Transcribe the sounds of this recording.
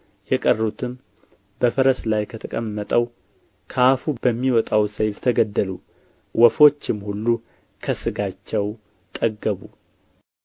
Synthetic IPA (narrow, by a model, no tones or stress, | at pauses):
jɛkʼərːut̪ʰɨm | bəfəɾəslajkʰət̪ʰəkʼəmːət̪ʼəw | kʰafub̥əmːiwɔt̪ʼawsəjft̪ʰəɡəd̪ːəlu | wɔfo̞t͡ʃːɪmhulːu | kʰəsɨɡat͡ʃːɛw | t̪ʼəɡːəβu